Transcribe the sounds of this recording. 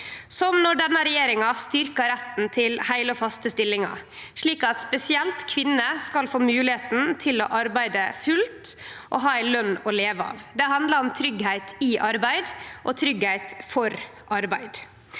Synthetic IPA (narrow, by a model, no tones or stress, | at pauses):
sɔmnɔɖɛnːəɾɛjeːɾɪŋɑst̪ʏɾkɑɾæt̪n̩t̪ʰɪlhæɪləɔːfɑst̪əst̪ɪlːɪŋɑ̰ʂɭiːkɑt̪spɛsɪɛlt̪kʰʋɪnːəskɑlfoːmʉːlɪheːt̪n̩t̪ʰɪlo̰ːʔɑɾbæɪd̪əfʉlt̪ʔɔ̰ɦɑːæɪlœnːɔleːʋəɑ̰ːʋd̪ɛɦɑnd̪ləɾɔmt̪ʰɾʏɡhæɪt̪ɪʔɑɾbæɪd̪ʔɔt̪ʰɾʏɡhæɪt̪fɔɾ | ʔɑɾbæɪd̪